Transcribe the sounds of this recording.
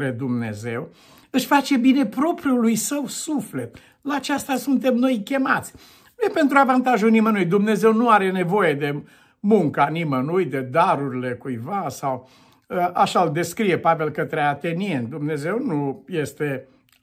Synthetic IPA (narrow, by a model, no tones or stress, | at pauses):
ɾed̪umne̞̰ze̞w | ɨʃfat͡ʃe̞bine̞pɾo̞pɾjulujsəwsufle̞t̪ | laːt͡ʃast̪asunt̪e̞mno̞jkʲe̞ma̰t̪sʲ | nujepe̞nt̪ɾuavant̪aʒulnimənujd̪umne̞ze̞wnuaɾe̞ne̞vo̞je̞d̪e̞ | muŋkanimənujd̪e̞d̪aɾuɾile̞kujvasaw | ʔaʃald̪e̞skɾije̞pave̞lkət̪ɾeat̪e̞nien̚d̪umne̞ze̞wnuje̞st̪e̞